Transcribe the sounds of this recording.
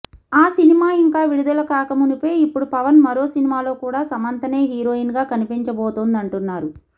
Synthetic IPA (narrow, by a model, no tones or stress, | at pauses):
aːsinimaːiŋkaːʋiɽud̪ɐlɐkaːkɐmunipojipːuɽupɐʋɐnmɐɾo̞ːsinimaːlo̞ːkuːɽaːsɐmɐnt̪ɐneːɦiːɾoːinɡaːkɐnipiɲt͡ʃɐbɔːt̪oːnd̪ɐɳʈunːaːɾu